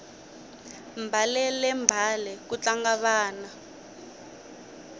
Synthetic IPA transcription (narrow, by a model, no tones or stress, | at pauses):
mbʱalɛlɛmbʱalɛkut͡ɬaŋɡaβaːna